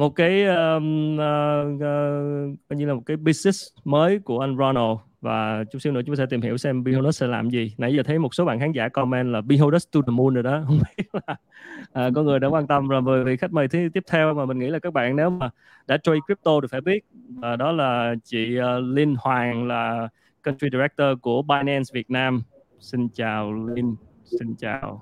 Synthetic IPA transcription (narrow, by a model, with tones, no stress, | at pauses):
mo˨˩t̚kaː˨˦jʔəː˧əː˧ | kɔ˨˦ɲɨ˧laː˨˩mo˨˩t̚kaː˨˦jɓi˧snɛ˦˥sməː˨˦jku˧˩əʔa˧jŋza˧no˧˩ | va̰ː˨˩t͡ɕʊ˨˦ŋ͡msi˧wnɨ̰˧˥t͡ɕʊ˨˦˥sɛ˧t̪i˨˩mhḭ˧˩əwsɛ˧mɓi˧ho˧ɗə˦˥s̚sɛ̰˧˥la̰ː˨˩mzi˨˩na̰˧˩jaː˨˧˩t̪ʰə˨˦jmo˨˩t̚so˨˦ɓa̰ː˧˨nxaː˨˦ŋza̰ː˧˩kɔ˧mɛ˧nlaː˨˩ɓi˧ɦo˧ɗə˦˥st̪u˧ɗa˨˩mu˧nɗo˨˩jɗɔ˨˦hə˧wŋ͡mɓi˦˥ə˥ət̚laː˨˩ | ʔəː˨˩kɔ˧˦ŋɨ˨˩əjɗa̰ː˧˥kwaː˧nt̪ə˧mzoː˨˩jməː˨˩vḭ˧˨xa˦˥jk̚məː˨˩jt̪ʰɨ˨˦t̪i˦˥p̚t̪ʰɛ˧wmaː˨˩mï˨˩ŋ̟ŋḭ˧˥laː˨˩kaː˦˥k̚ɓa̰ː˧˨nne˨˦wmaː˨˩ | ɗa̰ː˧˥t͡ɕɔ˧jkwi˦˥p̚t̪o˧tfaː˧˩jɓi˦˥ət̚vaː˨˩ɗɔ˨˦laː˨˩t͡ɕḭ˧˨əː˨˧li˧nhwaː˨˩ŋlaː˨˩ | kə˧nti˧ɗi˧ɾɛ˦˥k̚t̪əː˧ku˧˩əɓaː˧jnɛ˧nsvi˨˩ət̚naː˧m | si˧nt͡ɕaː˨˩wli˧n | si˧nt͡ɕa̰ː˨˩w